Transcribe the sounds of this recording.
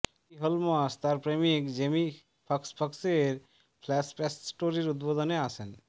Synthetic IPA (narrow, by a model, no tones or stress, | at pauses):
iɦɔlmast̪aɾpɾemikd͡ʑemi | pʰʌkspʰəkseɾ | pʰlɛspɛssʈoɾiɾut̪̚bod̪ɔneasʰen